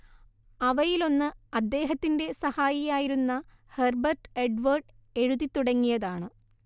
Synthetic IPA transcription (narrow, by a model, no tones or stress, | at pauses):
ɐʋɐjilo̞nːɨɐd̪ːe̞ːɦɐt̪ːinde̞sɐhaːjijaːjiɾunːɐ | herbɐrʈeɖʋɐrɖe̞ɻuðit̪ːuɽɐŋːijɐðaːɳɨ